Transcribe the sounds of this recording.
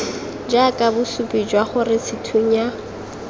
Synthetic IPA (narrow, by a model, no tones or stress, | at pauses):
d͡ʒakʼabʊsupʼid͡ʒwaχʊrɪt͡sʰɪtʰuɲa